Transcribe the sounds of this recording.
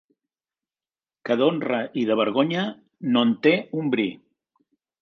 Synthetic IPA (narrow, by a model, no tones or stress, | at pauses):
kəðonrəʔiðəβ̞əɾɣoɲə | nont̪eumbɾḭ